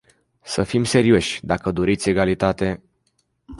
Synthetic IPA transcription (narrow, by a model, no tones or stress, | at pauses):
səfimse̞ɾio̞ʃʲd̪akəd̪o̞ɾit̪sʲe̞ɡalit̪at̪e̞